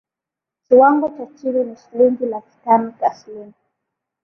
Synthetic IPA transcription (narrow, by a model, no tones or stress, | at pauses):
kiwaŋɡɔt͡ʃat͡ʃiɾiniʃiliŋɡilaki̥tanikaslini